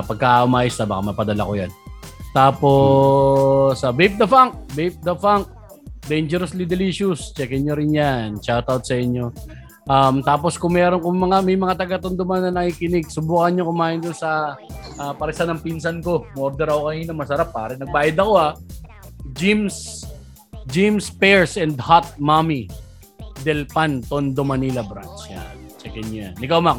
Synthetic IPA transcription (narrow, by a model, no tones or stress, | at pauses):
pɐɡ̚kaaʔʊmaːjɪst̪ɐbakamɐpɐd̪ɐla̰kojant̪aːpo̞ | sɐbejp̚d̪ɐfaŋk̚bejp̚d̪ɐfaŋk̚ | d̪ɛjnd͡ʒɛɾɐslid̪ɛliʃʊst͡ʃɛkɛɲoɾɪnjant͡ʃat̪awt̪̚sɐʔɪɲjo̞ | ʔɐmt̪aːp̬o̞skʊŋmɛːɾonkʊŋmɐŋamɐjmɐŋat̪ɐɡat̪ʊnd̪ʊmanːɐnɐʔikɪnɪɡ̚sʊbuːkɐnɲokʊmaːjɪnd̪ʊnsɐʔaːpɐɾɛsanɐŋpinsɐnko̞moɾd̪ɛɾɐkokɐninɐŋmɐsɐɾapːaːɾɛnɐɡ̚baːjɪd̪ɐko̞a | d͡ʒims | d͡ʒimspɛɹsɛnd̪hat̪̚mami | d̪ɛlpant̪ond̪omɐnilɐbɾant͡ʃja̰nt͡ʃɛkɛnjoja̰nʔɪkɐwmak